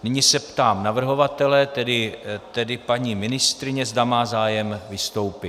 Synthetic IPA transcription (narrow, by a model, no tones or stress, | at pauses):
nɪɲisɛpt̪aːmnavr̩ɦo̞vat̪ɛlɛːt̪ɛdɪt̪ɛdɪpaɲiːmɪnɪst̪ɾɪɲɛzdamaːzaːjɛmvɪst̪o̞wpɪ